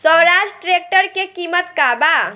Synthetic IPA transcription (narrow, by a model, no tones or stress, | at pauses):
sɔwɾad͡ʒʈɾek̚ʈəɾkekimət̪kaba